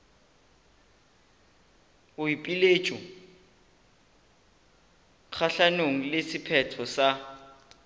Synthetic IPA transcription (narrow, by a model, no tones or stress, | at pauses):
ʊipʼilet͡ʃʼu | k͡xʰaɬanoŋ̩lesɪpʰɛtʰɔsa